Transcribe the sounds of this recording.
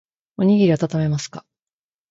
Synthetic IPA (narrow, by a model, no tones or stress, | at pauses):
o̞ɲ̟iɡʲiɾʲiat̪at̪ame̞masɨ̥ka